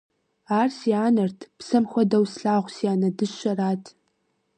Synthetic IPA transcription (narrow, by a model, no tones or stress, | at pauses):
aːrsiaːnɐrtʰpsɐmxʷɔdɐwsɬaːʁʷsiaːnɐdɨɕɐraːtʰ